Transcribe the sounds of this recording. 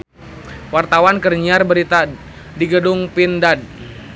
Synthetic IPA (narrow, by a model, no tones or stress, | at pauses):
wart̪awankərɲiarbəɾit̪a | diɡədʊŋpindad̚